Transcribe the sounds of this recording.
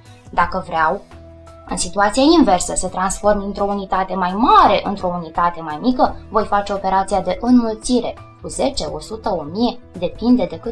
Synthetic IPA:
d̪akəvɾeaw | ɨ̰nsit̪uat̪sijainve̞rsəsət̪ɾansfo̞rmint̪ɾo̞unit̪at̪e̞majmaɾe̞ʔɨnt̪ɾo̞unit̪at̪e̞majmikəvo̞jfat͡ʃe̞o̞pe̞ɾat̪sijad̪e̞ʔɨnmult̪siɾe̞ | kuze̞t͡ʃe̞ʔo̞sut̪əo̞mije̞d̪e̞pind̪e̞d̪e̞kɨ

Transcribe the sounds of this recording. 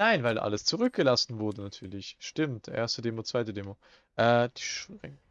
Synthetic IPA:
naɪnvaɪlʔa̰ləst͡suʁʏk̚ɡ̥əlasn̩vʊɐdənatʰyːɐlɪçʃtɪmtʔḛːɐstədeːmot͡sv̥aɪtədeːmo | ʔɛːd̥iʃʁɪ̰ŋ

